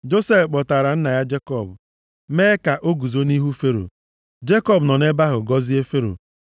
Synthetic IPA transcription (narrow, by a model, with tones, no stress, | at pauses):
d͡ʒo˦se˦fk͡pɔ˨ta˨ɾa˨n̩˦na˨ja˦d͡ʒe˦kɔ˦˨bʊ˨ | meː˦ka˨ʔo˦ɡu˨zo˦ni˦ɦu˦fe˦ɾo̰˨ | d͡ʒe˦kɔ˦bnɔ˨ne˦ba˦ɦʊ˨ɡɔ˦zi˦e˦fe˦ɾo̰˨